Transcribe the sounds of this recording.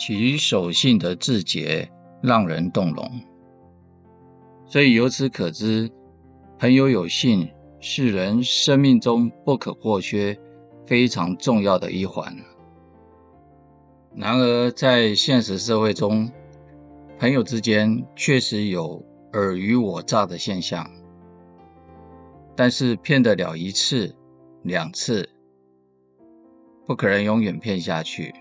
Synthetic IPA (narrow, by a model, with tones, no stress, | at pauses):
t͡ɕʰi˧˥y˧˥ʂo˨˩ʊɕi˥˩nd̪ə˩ʈ͡ʂɻ̩˥˩t͡ɕjɛ̰˧˥˦ | ɻɑ˥˩ŋɻə̰˧˥nt̪ʊ˥˩ŋlʊ̰˧˥˦ŋ | swɔ˧˥i˨˩jo˧˥ʊt͡sʰɹ̩˧˥kʰɤ˨˩ʈ͡ʂɻ̩˥ | hə˧˥njo˧˥ʊjo˨˩ʊɕi˥˧n | ʂɻ̩˥˩ɻə˧˥nʂə˥nmi˥˩ŋʈ͡ʂʊ˥ŋpu˥˩kʰɤ̰˨˩xwɔ˥˩ɕʰɥɛ˥ | fe˥ɪʈ͡ʂʰɑ˧˥ŋʈ͡ʂʊ˥˧ŋjɑ˥˩ʊd̪ə̰˩ʔi˥xwa̰˧˥˦n | na˧˥nə˧˥t͡sa˥˧ɪɕjɛ˥˧nʂɻ̩˧˥ʂɤ˥˧we˥˩ɪʈ͡ʂʊ˥ŋ | pʰə˧˥ŋjo˨˩ʊʈ͡ʂɻ̩˥t͡ɕjɛ˥nt͡ɕʰɥɛ˥˩ʂɻ̩˧˥jo˨˩ʊ | ə˞˧˨˥y˧˥wɔ˨˩ʈ͡ʂa˥˩d̪ə˩ɕjɛ˥˧nɕjɑ̰˥˩ŋ | t̪a˥˧nʂɻ̩˥˩˧pʰjɛ˥˩nd̪ə˩ljɑ̰˨˩ʊi˧˥t͡s̩ʰ˥˩ | ljɑ˨˩ŋt͡s̩ʰ˥˩ | pu˥˩kʰɤ˨˩nə˧˥ŋjʊ˧˥ŋɥɛ˨˩npʰjɛ˥˧nɕja̰˥˧t͡ɕʰy̰˥˩